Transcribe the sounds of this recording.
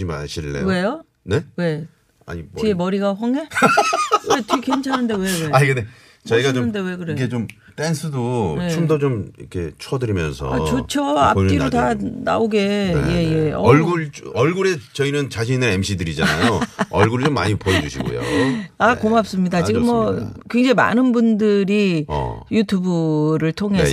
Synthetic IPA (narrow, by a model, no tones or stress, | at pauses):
ima̰ɕʰiɭːḛwe̞jo | ne̞we̞ | a̰ɲiiemʌɾiɡaɸwʌŋe̞ | wetikent͡ɕʰanɯnde̞we̞weaiɡene | t͡ɕʌiɡaoɯnde̞we̞kɯɾeet͡ɕom | t͈ensʰɯdonet͡ɕomdʌt͡ɕomikʰe̞̰t͡ɕʰwʌdɯɾimjʌ̰nsʰʌ̰at͡ɕot͡ɕʰʌa̰ok͈iɾotana̰oɡe̞je̞je̞ʌ̰ʌɭɡuɭt͡ɕʌɭɡuɾe̞t͡ɕʌinɯnt͡ɕaɕʰiɲinɯɾemɕʰidɯɾid͡ʑa̰na̰joʌɭɡuɾɯɭt͡ɕomːa̰ɲipoed͡ʑuɕʰiɡo̰jo̰akomap̚s͈ɯmɲidat͡ɕiɡɯmːʌkeŋd͡ʑema̰nɯnbundɯɾḭjutʰjubuɾɯɭtʰoŋɦe